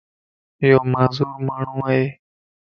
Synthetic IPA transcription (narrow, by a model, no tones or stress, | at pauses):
ɪjoːmaːzuːɾmaːɳ̤ũːaɦeː